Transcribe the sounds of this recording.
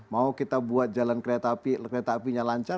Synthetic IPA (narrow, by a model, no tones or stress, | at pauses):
maukit̪abuat̪̚d͡ʒalankɾet̪apikɾet̪aːpiɲalaɲt͡ʃa